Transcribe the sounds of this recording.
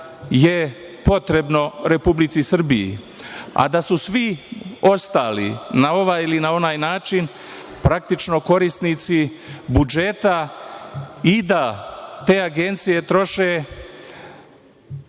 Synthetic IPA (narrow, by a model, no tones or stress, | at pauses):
je | po̞t̪ɾe̞bno̞ɾe̞publit̪sisr̩bijḭ | a̰d̪asusʋio̞st̪aːlḭnao̞ʋajilinao̞naːjnaːt͡ʃin | pɾak̚t̪it͡ʃno̞ko̞ɾist̪nit̪si | bud͡ʒe̞t̪a | id̪at̪e̞ːaɡe̞nt̪sije̞t̪ɾo̞ʃeː